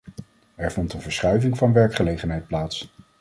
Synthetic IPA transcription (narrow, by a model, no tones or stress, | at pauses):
ɛɹvɔntənvəɹsχœɥvɪŋvɑnʋɛɹkχəlejχənɦɛjt̚plaːts